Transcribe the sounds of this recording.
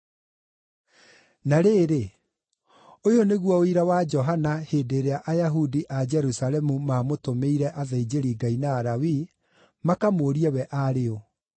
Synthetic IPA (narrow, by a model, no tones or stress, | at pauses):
naɾeːɾe | ojoneɣwɔoiɾawad͡ʒɔɦanaheːdeɾeaʔajaɦudiʔad͡ʒɛɾusalɛmumamotomeiɾɛʔaðaid͡ʒeɾiɡainaːɾawi | makamoɾiɛwɛʔaɾeo